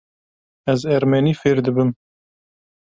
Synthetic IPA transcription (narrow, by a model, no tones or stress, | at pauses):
ɛzɛɾmɛniːfeːɾd̪ɨbɨm